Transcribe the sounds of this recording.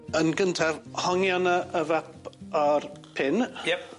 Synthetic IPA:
ənɡəntʰɛvhɔŋjanəʔəvaparpʰɪnjɛ

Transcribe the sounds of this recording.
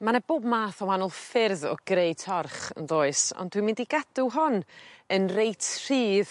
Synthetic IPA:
manɛboːbmaːθɔwanʊlˠfɪrðɔ̰ɡ̥reɨtʰɔrχə̰nðoːɨsɔ̰ndwimɪndiɡadʊɦɔnənrejtʰr̥iːð

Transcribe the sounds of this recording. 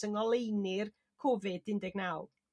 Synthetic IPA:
əŋɔlˠejnɪr | kʰɔvɪdɪndɛɡnawlˠ

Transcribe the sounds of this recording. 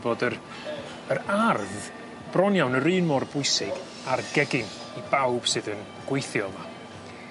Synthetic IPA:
boːdəɾ | əɾarvv | b̥rɔnjawnəɾɨːnmɔrbʊɨsɪɡ | arɡɛɡɪŋ | ibawb̥sɨðən | ɡ̥wejθjɔlˠma

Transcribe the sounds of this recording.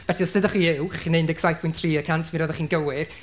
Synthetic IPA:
v̥ɛɬiɔsɨdəχiːɪwχinendɛksajθpʰʊjntʰriːəkʰantʰviɾɔðəχiːnɡəwɪr

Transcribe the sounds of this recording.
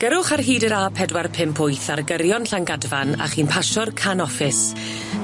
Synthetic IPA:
ɡ̥əɾʊχarɦiːdəɾapʰɛdwarpʰɪmpʰʊjθarɡəɾjɔnɬaŋɡadvana̰χiːnpʰaʃɔrkʰanɔfɪs

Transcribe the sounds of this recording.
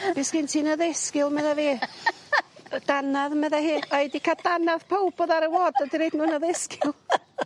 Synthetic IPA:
bɪsɡ̥ɪntʰiːnəðɪskɪlˠmɛðɛveː | d̥anaðmɛðɛɦɪaɛdikʰad̥anaðpʰowbɔðaɾəwoːdədiɾejdnuːnəðɪskɪlˠ

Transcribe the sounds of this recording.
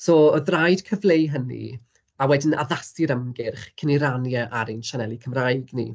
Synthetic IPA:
soːɔðrajd̥kʰəvlˠejɦənḭ | awɛdɪna̰ðasiɾəmɡɪrχkʰəniɾanjaʔaɾinʃanɛlˠikʰəmrajɡnḭ

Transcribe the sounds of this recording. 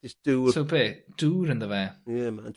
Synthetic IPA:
d͡ʒʌsd̥usobeːd̥uːɾə̃nðəvɛjɛmãn

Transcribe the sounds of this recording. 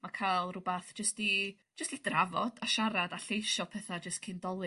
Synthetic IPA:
makʰajlˠrʊbaθd͡ʒəsti | d͡ʒ̥əstid̥ravɔd̥aʃaɾadaɬejʃɔpʰɛθad͡ʒəstkʰɪndɔlˠwɨ

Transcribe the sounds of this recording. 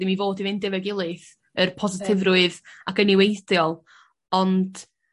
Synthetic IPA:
dimivoːdivɨndɛvɛɡɪlˠɨθ | ərpʰɔzɪtʰɪvrʊɨðakəniwejdjɔlˠ | ɔnd̥

